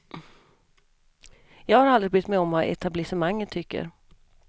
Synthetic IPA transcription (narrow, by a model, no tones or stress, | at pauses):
jɑːɡhaɾald̪ɾɪbʏt̪mɛɔmvaʔɛ̰t̪ʰablɪsəmaŋːənt̪ʰʏkːə̰ɾ